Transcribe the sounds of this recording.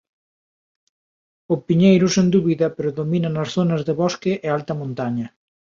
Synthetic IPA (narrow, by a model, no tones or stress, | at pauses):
ʊpiɲejɾʊsend̪uβiðɐpeɾʊðominɐnɐsθonɐzðeβɔskeʔealt̪ɐmõnt̪aɲɐ